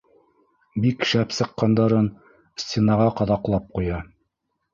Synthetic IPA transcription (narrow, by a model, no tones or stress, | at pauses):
bikʃæpsɤ̆qːɑnd̪ɑɾɤn | sʲtʲenɑʁɑqɑðɑqlˠɑp̚qujɑ